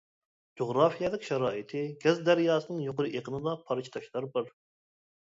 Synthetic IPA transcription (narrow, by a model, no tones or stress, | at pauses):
d͡ʒoʁɾɑːfijɛlˠɪkʲʃæɾɑːʔit̪ʰɪɡʲɛzd̪æɾjɑːsɨnɨŋjoqʊɾɨʔeqənɨd̪ɑpʰɑɾt͡ʃʰi̥t̪ʰɑʃlˠɑɾbɨɾ